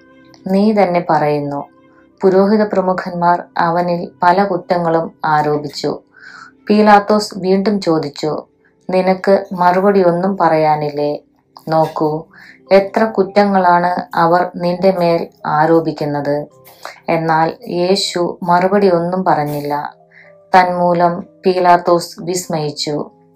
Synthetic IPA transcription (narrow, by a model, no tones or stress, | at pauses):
niːt̪ɐnːe̞pɐrɐjunːu | puɾo̞ːɦiðɐprɐmukʰɐnmaːrɐʋɐnilpɐlɐkutːɐŋːɐɭumaːɾo̞ːbit͡ɕːṵ | piːlaːt̪ːo̞ːsʋiːɳɖumt͡ɕo̞ːd̪it͡ɕːu | ninɐkːɨmɐrubɐɽio̞nːumpɐrɐjaːnilːe | no̞ːkːu | e̞t̪rɐkutːɐŋːɐɭaːɳɨɐʋɐrninde̞me̞ːlaːɾo̞ːbikʲːunːɐðɨ | e̞nːaːlje̞ːɕumɐrubɐɽijo̞nːumpɐrɐɲːilːɐ̰ | t̪ɐnmuːlɐmpiːlaːt̪ːo̞ːsʋismɐjit͡ɕːṵ